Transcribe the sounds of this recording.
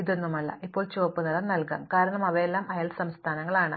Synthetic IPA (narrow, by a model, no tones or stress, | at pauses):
iðonːumɐlːɐ̰ʔipːo̞ːɭt͡ɕoʋɐpːunːɐlɐnɐlkɐ̰mkaːɾɐɳɐmɐʋɐjelːaːmɐjaːlsɐmst̪ʰaːnɐŋːɐɭaːɳɨ